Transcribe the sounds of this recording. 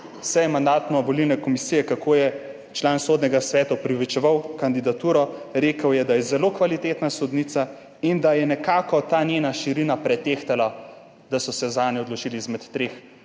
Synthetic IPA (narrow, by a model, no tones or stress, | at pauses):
sɛjɛmand̪aːt̪nɔbɔlilnɛkɔmisijɛkakʰoːjɛ | t͡ʃlaːnsoːd̪nʲɛɡasʋɛːt̪aopɾiʋit͡ʃɛʋawkand̪id̪at̪uːɾɔɾeːkəwjɛd̪ajɛzɛloːkʋalit̪eːt̪nasɔd̪nit̪sa | ind̪ajɛnɛkaːkɔt̪aːnjeːnaʃiɾinapɾɛt̪eːxt̪ɛla | d̪asɔsɛzaːnjɛɔd̪lɔt͡ʃiːliizmɛt̪ːɾeːx